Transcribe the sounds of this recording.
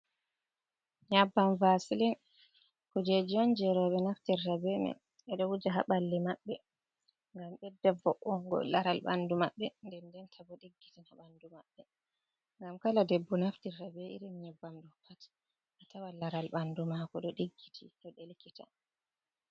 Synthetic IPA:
ɲabːamvasilin | kɔd͡ʒed͡ʒɔnd͡ʒɛɾɔɓɛnaftiɾːabɛnɛ̰ | ɛɗɔwud͡ʒaɦa̰ɓalːimaɓːɛ | ŋɡamɓɛdːɛvɔʔɔŋɡɔ̰laɾalɓa̰ndumaɓːɛndɛndɛntʰabɔɗiɡːitinaɓandumaɓːɛ | ŋɡamkaladɛbːɔnaftiɾːabɛʔḭɾinɲabːamɗɔpʰat | ʔatawalaɾalɓandumakɔɗɔɗiɡːitʰitɔɗelkitʰa̰

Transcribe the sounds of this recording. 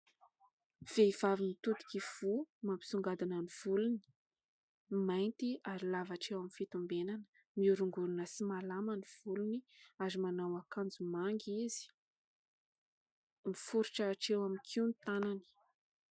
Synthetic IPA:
v̥eiv̥avimit̪ut̪i̥kiv̥umampi̥suŋɡad̪ananiv̥uluni̥ | majnt̪iaɾilavaʈ͡ʂewaminfit̪umbenanə̥ | miuɾuŋɡununəsimalamaniv̥uluniazimanawakand͡zumaŋɡizi̥ | mifuɾuʈ͡ʂaːʈ͡ʂewamikʰiunit̪anani̥

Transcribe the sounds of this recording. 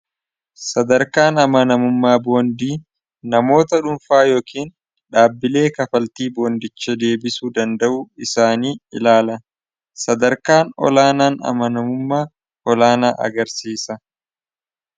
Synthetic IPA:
sɐd̪ɐɾkaːnɐmɐnɐmʊmːaːbo̞ːnd̪iː | nɐmo̞ːt̪ɐᶑʊnfaːjo̞ːkiːn | ᶑaːbːɪle̞ːkɐfɐlt̪iːboːnd̪ɪt͡ʃːɛd̪e̞ːbɪsuːd̪ɐnd̪ɐʔuːɪsaːniːɪ̰laːlɐ | sɐd̪ɐɾkaːnɔ̰laːnaːnɐ̰mɐnɐmʊmːaː | ʔɔlaːnaːʔɐ̰ɡɐɾsiːsɐ

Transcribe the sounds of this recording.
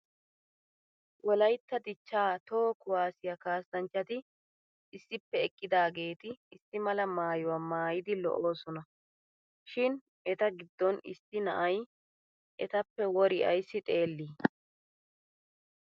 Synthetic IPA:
wɔlɐjt̪ːɐd̪ɪt͡ʃːaːt̪oːkʊwaːsɪjɐkaːst̪ɐnt͡ʃːɐt̪ɪ | ʔɪsːɪpːɛɛkʼːɪd̪aːɡe̞ːt̪ɪɪsːɪmɐlɐmaːjʊwamaːjɪd̪ɪlɔ̰ʔo̞ːsɔnɐ | ʃɪn | ɛt̪ɐɡɪd̪ːɔnɪ̰sɪnɐ̰ʔɐj | ʔɛt̪ɐpːɛwɔɾɪʔɐ̰jsːɪt̪ʼe̞ːlːiː

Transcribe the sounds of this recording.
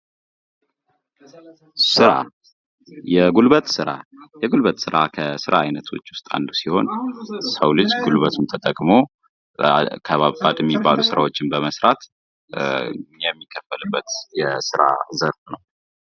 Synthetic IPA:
sɨɾa̰ | jɛɡulβət̪ʼsɨɾa̰jɛɡulβət̪ʼsɨɾakʰəsɨɾaajnət̪ʰwot͡ʃːwʊst̪ʼa̰nd̪usiho̞̰nsəwlɨd͡ʒɡulβət̪ʰunt̪ʰət̪ʼəkʼmo | kʰəβapʼːat̪ʼjɛmːibːalusɨɾawo̞t͡ʃːɪnbəməsɾat̪ | jɛmːikʰːəfəlɨbːət̪jɛsɨɾa̰zəɾfnəw

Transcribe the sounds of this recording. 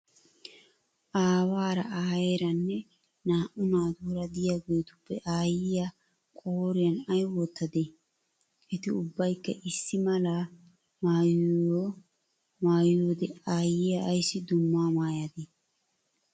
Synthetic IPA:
ʔaːwaːɾɐaːjeːɾɐnːɛ | naːʔʊnaːd̪uːɾɐd̪ɪjaːɡejt̪ʊ̥pːɛ̰ʔaːjɪja | kʼoɾɪjɐnɐjwoːt̪ːɐd̪e | ʔɛt̪ɪʊbːɐjkːɐʔɪsːɪmɐlaː | maːjo | maːjjoːd̪ɛaːjːɪjɐːjsːɪd̪ʊmːaːmaːjɐd̪e

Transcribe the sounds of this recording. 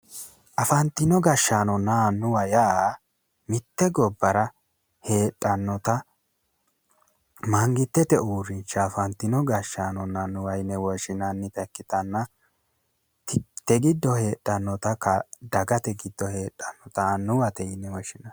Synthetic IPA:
ʔɐfɐnt̪ɪnɔɡɐʃːaːnɔnːanːʊwɐjaː | mɪt̪ːɛɡɔbːɐɾɐ | he̞ːtʼːɐnːɔt̪ɐ | mɐŋɡɪt̪ːɛt̪ɛuːɾɪnt͡ʃːɐːfɐnt̪ɪnɔɡɐʃːaːnɔnːɐnʊwɐjnːɛwɔʃɪnɐnːɪpɛkːɪt̪ɐnːɐ | t̪ɛɡɪd̪ːɔhe̞ːtʼːɐnːɔt̪ɐkɐd̪ɐɡɐt̪ɛɡɪd̪̥ːɔhe̞ːtʼːɐnːɔt̪ɐnːʊwɐt̪ɛjɪnːɛwɔʃɪnɐ

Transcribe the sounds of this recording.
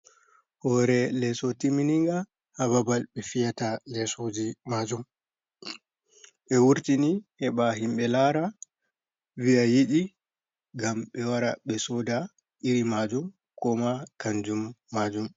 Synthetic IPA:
hɔɾɛlɛsotiminiŋɡa | haβabalbɛfijatalɛsod͡ʒimad͡ʒum | ɓɛwuɾtinihɛɓaɦimɓɛlaɾa | vijajiɗi | ɡamɓɛwaɾaɓɛsɔda | ʔiɾimad͡ʒum | kɔmakaɲd͡ʒumːad͡ʒum

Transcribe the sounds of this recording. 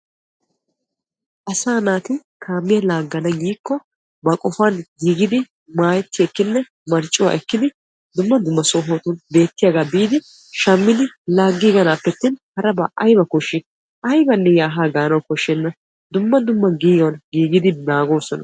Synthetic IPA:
ʔɐsaːnaːt̪ɪkʰaːmːɪjɐlaːɡːɐnɐɡiːkːɔ | bɐkʼɔfanɡiːɡɪd̪ɪ | maːjɛt̪ːɪɛkːɪnːɛ | mɐɾt͡ʃʼːɪwa̰ːʔɛkːɪd̪ɪ | d̪ʊmːɐd̪ʊmːɐsoːɦoːt̪ʊnbe̞ːt̪ːɪjaɡaːbiːd̪ɪ | ʃɐmːɪd̪ɪlaːɡːiːɡɐnaːpːɛt̪ːɪnhɐɾɐbɐʔɐjbɐkɔʃːɪ | ʔɐjbɐnːɛjaːɦaːɡaːnɐwkɔʃːɛnːɐ | d̪ʊmːɐd̪ʊmːɐɡiːjɔnɡiːɡɪd̪ɪnaːɡo̞ːsɔnɐ

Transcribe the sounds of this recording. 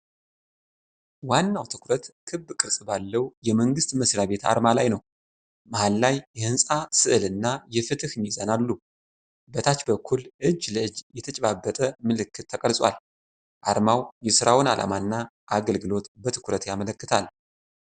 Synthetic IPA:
wanːawt̪ʰɨkʰɾət̪kʰɨbːkʼɨɾsʼbalːəwjɛməŋɡɨst̪məsɾaβe̞t̪ʰa̰ɾmalajnəw | mahalːajjɛhɨnsʼasɨʔɨlɨnːajɛfɨt̪ʰɨhɨɲizanalːu | bət̪ʰat͡ʃbəkʰːulʔɨd͡ʒːləɨd͡ʒjɛt̪ʰət͡ʃʼɛβabːət̪ʼəmɨlɨkːɨt̪ʰːəkʼəlsʼwa̰l | ʔaɾmawjɛsɨɾawnalʔa̰manːa | ʔaɡəlɡɨlo̞t̪bət̪ʰɨ̥kʰɾət̪jamələkːɨt̪ʰal

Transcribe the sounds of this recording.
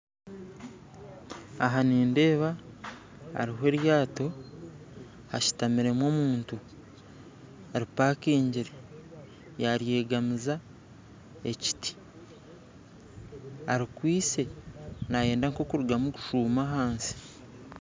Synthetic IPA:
aɦaniːnde̞ːβa̰ː | ɾiɦoe̞ːɾjaːto̞ | haʃi̥tamiɾe̞mwo̞ːmuːntu | aɾipaːkeːɲɟiɾe | jaɾje̞ːɡamiza | e̞ci̥tʰi̥ | aɾikwiːse̞naje̞ːndaŋko̞kuɾuɡamuku̥ʃuːmaɦaːnsi̥

